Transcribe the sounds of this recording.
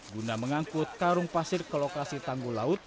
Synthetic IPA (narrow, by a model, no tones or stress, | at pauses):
ɡunaməŋaŋkʊt̪̚kaɾʊŋpasɪrkəlokasit̪aŋɡulaʊt̪̚